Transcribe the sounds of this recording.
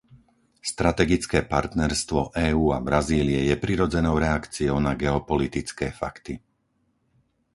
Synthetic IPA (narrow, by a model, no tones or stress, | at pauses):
st̪ɾat̪ɛɡit͡skɛːpaɾt̪nɛɾst̪ʋɔʔɛːuːabɾaziːliɛjɛpɾiɾɔd͡zɛnɔʊɾɛakt͡siɔʊnaɡɛɔpɔlit̪it͡skɛːfa̰kt̪i